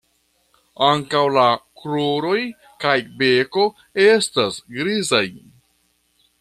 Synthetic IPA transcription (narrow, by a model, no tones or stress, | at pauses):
aŋkawlakloɾo̞j | kajbe̞ko̞ | estasɡɾizaj